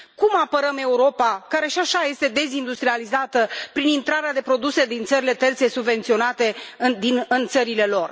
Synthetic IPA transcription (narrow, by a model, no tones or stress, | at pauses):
kumapəɾəme̞uɾo̞pakaɾe̞ʃiaʃaje̞st̪e̞d̪e̞zind̪ust̪ɾializat̪əpɾinint̪ɾaɾead̪e̞pɾo̞d̪use̞d̪int̪səɾile̞t̪e̞rt̪se̞subve̞nt̪sio̞nat̪e̞d̪inɨnt̪səɾile̞lo̞r